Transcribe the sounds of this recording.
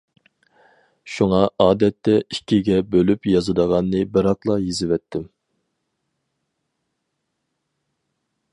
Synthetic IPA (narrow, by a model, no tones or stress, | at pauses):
ʃuŋɑɑːd̪ɛt̪ʰːɛikʲʰːiɡʲɛbølypjɑzɨd̪əʁɑnːɨbɪɾɑqlˠɑjizɪvɛt̪ʰːɪm